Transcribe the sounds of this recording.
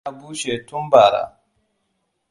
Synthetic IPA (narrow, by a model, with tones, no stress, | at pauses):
a˨˦buː˦ʃe˨tʊ˦mba˨ɾa̰˦˨